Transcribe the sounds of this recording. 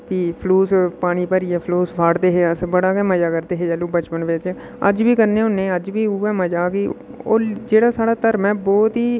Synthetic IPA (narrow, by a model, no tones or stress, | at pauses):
piːpʰluːspaːɽ̃iːpəɾiːɛːpʰluːspʰaːɽd̪eːɦeːəsbəɽaːɡɛːməd͡ʒaːkəɾd̪eːɦeːd͡ʒɛːluːbət͡ʃpənʋɪt͡ʃ | ə̰d͡ʒbiːkəɾneːɦʊnːẽːəd͡ʒbiːuːɛ̃ːməd͡ʒaːkiːoːd͡ʒeːɽaːsaːɽaːt̪əɾmɛ̃ːbɔːt̪ɦiː